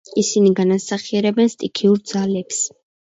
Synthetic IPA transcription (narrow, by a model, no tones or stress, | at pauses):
isiniɡanasaχiɛɾɛbɛnst̪ʼikʰiuɾd̪z̥alɛps